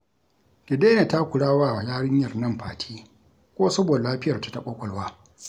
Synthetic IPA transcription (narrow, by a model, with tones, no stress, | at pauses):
ɡɪ˨deː˦na˨ta˦kʷʊ˨ɽaː˦waː˦˨a˨jaː˦ɽɪ˦ɲjɐ˨rnɐ˦mɸaː˨tʰiː˦ | kʷoː˦sɐ˦boː˨da˨laː˦ɸɪ˦jɐ˨rtḁ˦tɐ˦ɓa˦kʷʼɐ˨lwaː˦